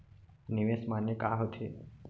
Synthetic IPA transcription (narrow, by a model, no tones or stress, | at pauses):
niʋesmanekaɦot̪ʰḛ